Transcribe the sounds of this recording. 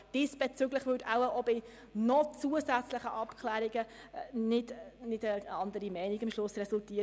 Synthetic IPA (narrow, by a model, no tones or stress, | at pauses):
d̥ɪsb̥ɛt͡sʏɡləχvʏdaʊwəʔɔbɪ | nɔt͡suəsæt͡sləχəʔɑpkʰlæːɾiɡə | nɪdnɪdəɑnd̪əɾimɛɪniɡɪmʃlʊsrɛsultiː